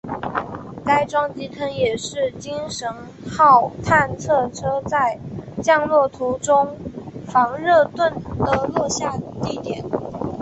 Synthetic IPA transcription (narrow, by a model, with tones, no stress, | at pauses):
ka˥ɪʈ͡ʂwɑ˥ŋt͡ɕi˥t̪ʰə˥ŋjɛ˨˩ʂɻ̩˥˩t͡ɕi˥ŋʂə˧˥n | xɑ˥˩ʊt̪ʰa˥˧nt͡sʰɤ˥˩ʈ͡ʂʰɤ˥t͡sa˥˩ɪt͡ɕjɑ˥˧ŋlwɔ˥˩t̪ʰu˧˥ʈ͡ʂʊ˥ŋfɑ˧˥ŋɻɤ˥˧t̪wə˥˩nd̪ə˩lwɔ˥˧ɕja˥˧t̪i˥˩t̪jɛ˨˩˦n